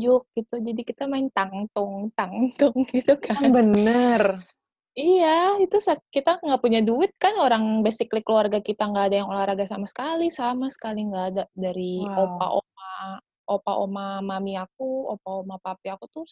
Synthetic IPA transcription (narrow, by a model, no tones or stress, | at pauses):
d͡ʒʊk̚ɡ̥it̪ud͡ʒadikit̪amaɪnt̪aŋt̪ʊŋt̪aŋt̪ʊŋɡit̪ukʰabənər | ijait̪usakit̪aŋɡapuɲaduɪt̪̚kanoɾaŋbɛsɪklɪkːluarɡakit̪aŋɡaːdajaŋolahɾaɡasamasə̥kalisamasə̥kaliŋɡaːdadaɾiopa̰ʔo̰ma | ʔopaʔomamamiak̚uopaomapapiakut̪ʊ